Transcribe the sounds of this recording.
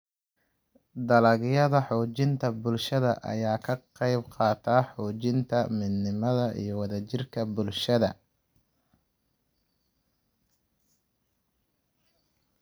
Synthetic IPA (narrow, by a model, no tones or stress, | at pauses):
d̪ɐlɐɣjɐðɐħɔːt͡ʃɪnt̪ʰɐbʊlʃɐðɐ̰ʔɐ̰jaːkʰɐqɑjbqɑːt̪ʰaːħɔːt͡ʃɪnt̪ʰɐmɪd̪nɪmɐðɐʔḭjɞwɑðɐt͡ʃɪrkʰɐbʊlʃɐðɐ